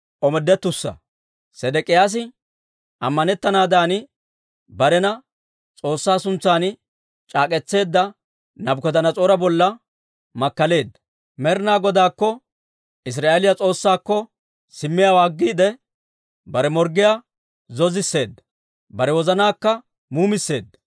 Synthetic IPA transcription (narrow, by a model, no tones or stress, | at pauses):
ʔɔmɛd̪ːɛt̪ːʊsːɐ̰ | sɛd̪ɛkʼɪjaːs̬ɪ | ʔɐ̰mːɐnɛt̪ːɐnaːd̪aːnɪ | bɐɾɛnɐ | t͡sʼo̞ːsːaːsʊnt͡sːaːn | t͡ʃʼaːkʼɛt͡sːe̞ːd̪ːɐ | nɐbkɔd̪ɐnɐt͡sʼoːɾɐbɔlːɐ | mɐkːɐle̞ːd̪ːɐ̥ | mɛɾnaːɡɔd̪aːkːɔ | ʔɪs̬ɾaːʔelɪjɐt͡sʼo̞ːsːaːkːɔ | sɪmːɪjawaːɡːiːd̪ɛ | bɐɾɛmɔɾɡɪjaː | zɔzɪsːe̞ːd̪ːɐ̥ | bɐɾɛwɔzɐnaːkːɐ | muːmɪsːe̞ːd̪ːɐ